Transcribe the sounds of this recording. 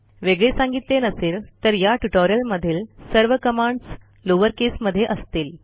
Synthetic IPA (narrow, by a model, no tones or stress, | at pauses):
ʋeɡɭesãŋɡit̪lenəseːlt̪əɾjaʈuʈoɾjəlməd̪ʱːiːlsəɾʋəkəmaɳɖs | loʋəɾkesməd̪ʱːjeʔəst̪iːl